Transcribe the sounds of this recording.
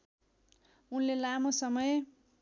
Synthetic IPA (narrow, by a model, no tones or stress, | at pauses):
unlelamosʌmʌj